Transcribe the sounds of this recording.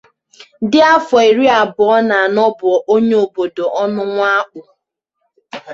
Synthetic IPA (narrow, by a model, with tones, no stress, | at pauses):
dɪ˦a˦fɔ˨e˨ɾi˦a˨bʊ˨ɔ˦na˨nɔ˦bʊ˨ɔ˨ʔo˦ɲe˦o˨bo˨do˨ʔɔ˦nʊ˦ŋʷa˦k͡pʊ˨